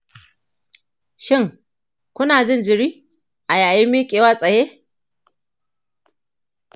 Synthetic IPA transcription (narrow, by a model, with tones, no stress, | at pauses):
ʃɪ˦˨ŋ | kʷʊ˦naː˨d͡ʒɪ˦nd͡ʒɪ˨ɽiː˦ | ʔa˨jaː˨jɪ˦mːiː˦kʲʼeː˨waː˦sʼɐ˨jeː˦